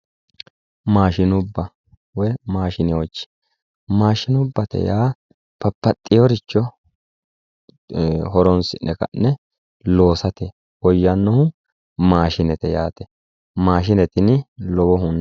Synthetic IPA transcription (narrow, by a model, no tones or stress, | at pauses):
maːʃɪnʊbːɐ | wɔjmaːʃɪnɪɔt͡ʃːɪ̥ | maːʃɪnʊbːɐt̪ɛ̰jaː | pɐpːɐt̪ʼːɪjɔɾɪt͡ʃːɔ | ɦɔɾɔnsɪnːɛkɐ̰nːɛ | lo̞ːsɐt̪ɛ | wɔjːɐnːɔhʊ | maːʃɪnɛt̪ɛjaːt̪ɛ̥ | maːʃ̬ɪnɛt̪ɪnɪlɔbɔɦʊn